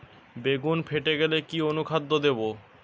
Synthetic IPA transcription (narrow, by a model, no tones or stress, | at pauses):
beɡunpʰeʈeɡelekionukʰad̪ːod̪ebo